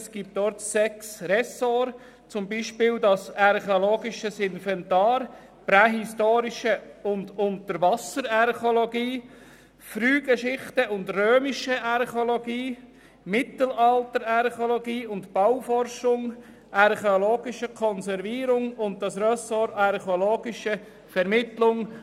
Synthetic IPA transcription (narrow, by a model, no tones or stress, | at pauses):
sɡ̥ip̚t̚dɔːɾtsɛksɾɛsoɾ | t͡sʊmbiːʃpɪːldɑsɑɾχeoloːɡiʃəsɪnfɛntɑːɾ | pɾɛɦistoːɾiʃəʊndʊntəɾʋɑsəɾɑɾχoloɡiː | fɾyːɡ̥əʃɪχtəʊndrøːmiʃəʔɑɾχoloɡiː | mɪtəl̩ɑltəɾɑɾχoloɡiːʊndtb̥awfɔrʃʊŋ | ʔɑɾχeoloːɡɪʃəkʰɔnsɛɾviːɾʊŋʊnt̚dɑsɾœsoɾɑɾχoloːɡɪʃə | fɛɾmɪtlʊŋ